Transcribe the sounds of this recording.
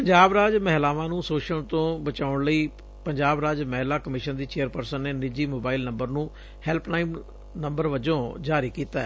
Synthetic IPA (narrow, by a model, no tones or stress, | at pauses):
pəɲd͡ʒaːbɾaːd͡ʒmɛɦlaːʋãːnũːsoːʃəɳt̪õːbət͡ʃaːʊɳləiː | pəɲd͡ʒaːbɾaːd͡ʒmɛɦlaːkəmɪʃənd̪iːt͡ʃeːəɾpəɾsənːeːnɪd͡ʒiːmoːbaːilnə̃mbəɾnũː | hɛlpʰnaːɪm | nəmbəɾʋəd͡ʒõːd͡ʒaːɾiːkiːt̪aːɛ